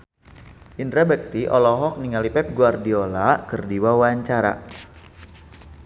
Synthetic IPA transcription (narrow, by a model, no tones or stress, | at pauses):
ʔindɾabɛk̚t̪iʔɔ̰lɔɦɔk̚niŋalipɛp̚ɡuardiolakərdiwawaɲt͡ʃaɾa̰